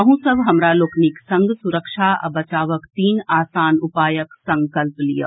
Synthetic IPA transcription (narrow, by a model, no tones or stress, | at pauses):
ɦũsɐbʱɦɐmɾaloːkniksɐ̃ŋɡsʊɾəkʃaɐ̰bɐt͡ʃaːʋəkt̪iːnaːsaːnʊpaːjəksɐ̃ŋkəlplijə̰